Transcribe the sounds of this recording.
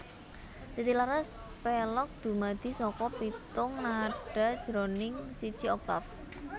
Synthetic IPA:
t̪it̪ilaɾas | pɛlɔk̚d̪̥ṳmad̪̥i̤sɔkɔpit̪ʊŋnaɖ̥a̤d̥d͡ʒ̥ɾonɪŋsid̥ʒ̥iɔk̚t̪a̰f

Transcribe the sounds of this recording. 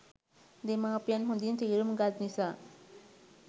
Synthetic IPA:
d̪emapjanɦũnd̪int̪iɾumɡad̪nisa

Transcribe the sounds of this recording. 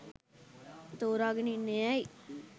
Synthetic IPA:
t̪oɾaɡninejai

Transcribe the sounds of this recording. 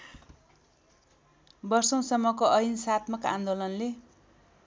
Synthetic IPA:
bʌrsʌw̃sʌmːʌkoʔʌjinsat̪mʌkã̰nd̪olʌnle

